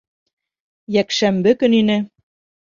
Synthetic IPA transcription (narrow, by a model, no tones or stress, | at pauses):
jækʃæmbɘ̆kɘ̆ninɘ̆